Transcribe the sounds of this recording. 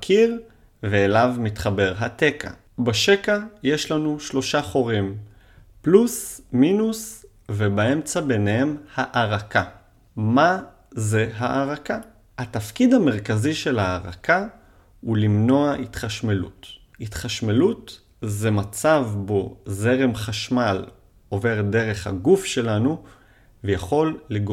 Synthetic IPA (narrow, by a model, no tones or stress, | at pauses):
kʰiʁ | veːlavmit̪χabe̞ʁɦat̪e̞kʰa̰ | baʃe̞kaje̞ʃlanuʃlo̞ʃaχo̞ʁim | plusminus | vebae̞mt͡sabe̞nehe̞mhaʔaʁakʰa | ma | ze̞ɦaʔaʁaka | hat̪afkid̪hameʁkaziʃe̞lhaːʁaka | ulimno̞aitχaʃmelṵt | it̪χaʃmelut | zemat͡savbo̞ze̞ʁe̞mχaʃmal | ove̞ʁde̞ʁe̞χha̰ɡufʃe̞lanu | vejaχo̞lːeɡ